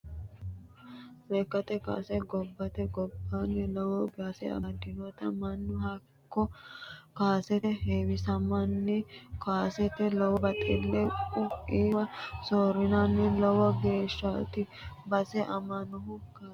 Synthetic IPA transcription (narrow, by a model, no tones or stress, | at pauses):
beːkːɐt̪ɛka̰ːsɛɡɔbːɐt̪ɛɡɔbːanːɛlɔwɔɡaːsɛ̰ɐ̰d̪ɪnɔt̪ɐmɐnːʊhɐ | kːɔkaːsɛt̪ɛheːwɪsɐmɐnːɛkaːsɛt̪ɛlɔwɔbɐt̪ʼɛlːɛʊiːwɐsoːɾɪnanːɛlɔwɔɡe̞ːʃːat̪ɪ | bɐsɛʔɐmɐnɔɦʊkaː